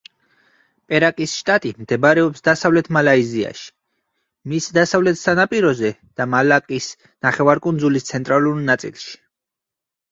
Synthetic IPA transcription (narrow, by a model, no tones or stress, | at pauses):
pʼɛɾakʼisʃt̪ʼat̪ʼimd̪̥ɛbaɾɛɔpsd̪asavlɛt̪ʰmalaizia̰ʃi̥ | misd̪asavlɛt̪ʰsanapʼiɾɔzɛd̪̥amalakʼis | naχɛvaɾkʼund̪zulist̪sʰɛnt̪ʼɾaluɾnat̪sʼḭlˠʃi̥